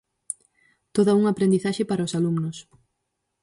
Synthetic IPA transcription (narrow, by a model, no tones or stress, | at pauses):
t̪oðɐuŋapɾend̪iθaʃɪpaɾaosalumnʊs